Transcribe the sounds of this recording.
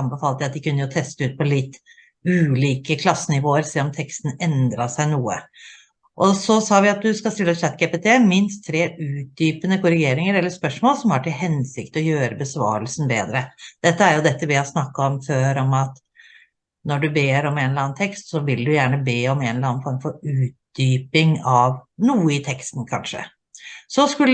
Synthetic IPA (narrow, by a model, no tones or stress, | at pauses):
ɑmbəfɑːlt̪əɑt̪d̪ɪkʉnːəjʊt̪ʰɛst̪əʉːt̪̚pʰɔlɪt̪ː | ʉːliːkəkʰlɑsːənɪʋoːəɾsɛlɔmt̪ʰɛkst̪n̩ɛnd̪ɾɑʂæɪnuːə̰ | ʔɔsɔsɑːʋɪɑt̪̚d̪ʉskɑst̪ɪləɛt̪slæt̪̚ːɡeːpet̪ʰeːmɪnst̪ʰːɾeːʉːt̪̚d̪yːpənəkʊɾɪɡeːɾɪŋəɾɛlːəspœʂmoːlsɔmhɑʈʰɪlɦɛnsɪkt̪ɔjøːɾəbəsʋɑ̰ːɾəlsn̩beːd̪ɾəd̪̥ɛt̪ːəæɾjʊd̪ɛt̪ːəʋɪæɪsnɑkːɑɔmføːɾɔmɑt̪ | nɔɖʉbeːɾɔmeːnlɑːnt̪ʰɛkst̪sɔʋɪld̪ʉjæːɳəbeːɔmeːnlɑnfɔɾmfɔɾʉːt̪̚d̪̥yːpɪŋɑʋnuːəɪt̪ʰɛkst̪n̩kʰɑnʂə̰ | sɔskʉlː